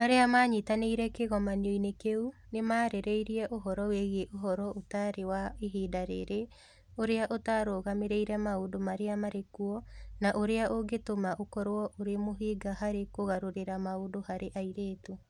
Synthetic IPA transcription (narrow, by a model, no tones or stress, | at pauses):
maɾeamaɲitaneiɾɛkeɣɔmanioinekeunemaɾɛɾɛiɾiɛʔoɦɔɾɔweɣeʔoɦɔɾɔʔotaɾewaiɦiːdaɾḛɾe | oɾeaʔotaɾoːɣameɾeiɾɛmaodomaɾeamaɾekuɔnaʔoɾeaʔoɡetomaʔokɔɾwɔʔoɾemoɦiːɡaɦaɾekoɣaɾoɾeɾamaodohaɾeʔaiɾeːtu